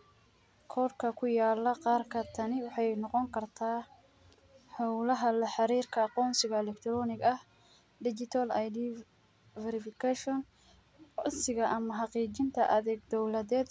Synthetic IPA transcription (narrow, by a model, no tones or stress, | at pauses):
kʰɔrkʰɐkʰʊjaːlːɐqɑːrkʰɐt̪ʰɐnɪwɑħɑjnɔqɔŋkʰɐrt̪ʰaː | ħɔwlɐɦɐlɐħɑɾiːrkʰɐɑqɔːnsɪɣɐɛlɛkt̪ʰɾɔːnɪɡɐh | dɪt͡ʃɪt̪ʰɐlajdiː | vɛɾɪfɪkʰaʃɔn | sɪɣɐʔɐmɐɦɑqiːt͡ʃɪnt̪ʰɐ̰ʔɐðɛːɡ̚d̪ɔwlɐðɛːd̪